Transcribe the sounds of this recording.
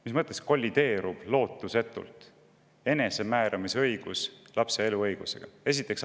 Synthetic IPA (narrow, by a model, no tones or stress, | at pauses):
mismɤt̪ˑːesko̞lʲːid̪̥e̞ːɾub̥lo̞ːt̪ːˑuse̞t̪ːˑṵlt̪ˑ | e̞ne̞se̞mæːɾɑmiseɤjɡ̥uslɑpse̞e̞luɤjɡ̥use̞̰ɡ̥ɑe̞s̬it̪ːˑe̞ks